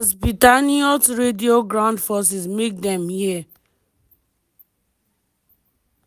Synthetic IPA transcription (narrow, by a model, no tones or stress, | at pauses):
zbitaniɔtɾedioɡɾãʊ̃ndfɔs̬izmek̚dɛ̃mhi